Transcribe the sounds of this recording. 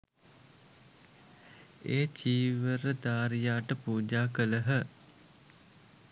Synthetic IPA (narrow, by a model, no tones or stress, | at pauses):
eːt͡ʃiːʋəɾəd̪aːɾijaːʈəpuːd͡ʒaːkələɦə